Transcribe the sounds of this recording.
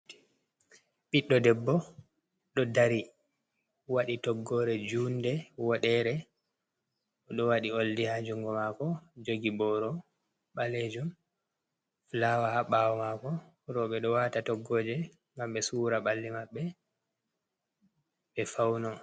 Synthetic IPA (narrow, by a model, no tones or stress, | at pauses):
ɓiɗːɔdɛbːɔ | ɗɔdaɾi | waɗitɔɡːɔɾɛd͡ʒuːndɛwɔɗɛɾɛ | ɔɗɔwaɗioldihad͡ʒuŋɡɔmakɔd͡ʒoɡibɔɾɔ | ɓaled͡ʒum | flawahaɓawɔmakɔ | ɾɔɓɛɗɔwatatɔɡːoːd͡ʒɛ | ŋɡamɓɛsuːɾaɓalːimaɓːɛ | ɓɛfawnɔ